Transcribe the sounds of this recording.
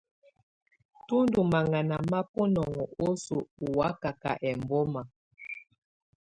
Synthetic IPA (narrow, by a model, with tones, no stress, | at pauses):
tu˦ndu˨ma˨ŋa˨na˨ma˦pɔ˦nɔ˨ŋɔ˨o˦su˨u˨wa˦ka˨ka̰˨ʔɛ˨mbɔ˦ma˨